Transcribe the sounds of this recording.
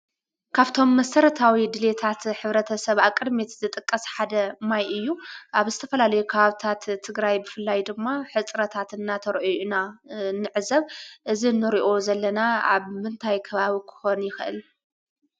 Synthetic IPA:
kʰaβt̪ʰo̞mːɐsɐɾɐt̪ʰawid̪ɨle̞t̪ʰat̪ħɨβɾɐt̪ʰɐsɐβakʼːɨd̪met̪zɨt̪ʼɨkʼːɐsħad̪ɐmajʔɨjːuʔaβzɨt̪ʰɐfɐlalɐjukʰɐβaβt̪ʰat̪ʰːɨɡɾajbɨfɨlːajd̪ɨmːaħɨt͡sʼɾɐt̪ʰat̪ɨnːat̪ʰɐɾʔinanɨʕɨzɐβʔɨzinːɨɾiʔo̞zɐlːɐnaa̰βmɨnt̪ʰajkʰɐβaβikʰɨ̥xo̞njɪxʔɨ̰l

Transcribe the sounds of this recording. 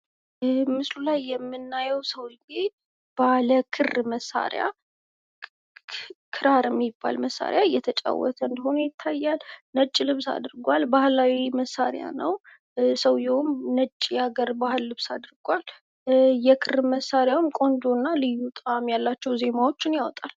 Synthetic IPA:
mɨslulajːɛmːɨnːajɛwsəwɡi | b̥aləkʰɨrməsːa̰ɾj̰a̰ | kʰɨɾaɾɛmːibːa̰lməsːa̰ɾjaɨjɛt̪ʰət͡ʃʼa̰wːɔ̰t̪ʰəɨnd̪əho̞nəjɪt̪ʰːajːalnət͡ʃʼːilɨβsa̰d̪ɾɡʷalbahlawiməsːaɾja̰nəw | səwjɛʊmnət͡ʃʼːijaɡəɾbahɨlːɨβsad̪ɨɾɡʷal | jɛkʰɨrməsːaɾjawmkʼo̞nd͡ʒ̪o̞nːalɨjːut̪ʼamjalːat͡ʃːɛwze̞mawo̞t͡ʃːɪnjawɔt̪ʼal

